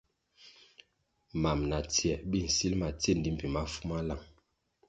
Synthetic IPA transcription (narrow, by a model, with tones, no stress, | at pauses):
ma˨mna˨ti˦ɛ˨bi˦˨n̩˨si˦lma˨te˦˨n̩˨di˦m̩˨pi˨ma˦fu˦ma˦la˦˨ŋ